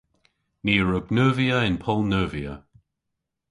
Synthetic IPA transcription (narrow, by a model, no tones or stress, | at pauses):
niːɹʊɡnəːviəɪnpʰɔlˠnəːviə̰